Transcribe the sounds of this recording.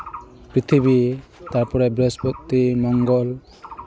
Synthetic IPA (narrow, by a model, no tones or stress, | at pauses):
pɾit̪ʰibit̪aɾpɔɾebɾespɔk̚t̪imɔŋɡɔl